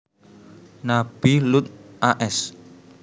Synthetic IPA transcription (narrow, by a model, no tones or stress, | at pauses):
nab̥ilut̪̚ʔaʔɛs